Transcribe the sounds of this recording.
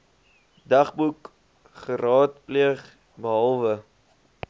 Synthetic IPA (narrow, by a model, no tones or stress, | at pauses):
dɐχbuk | χəɾɑːtpliəχ | bəɦɐlˠvə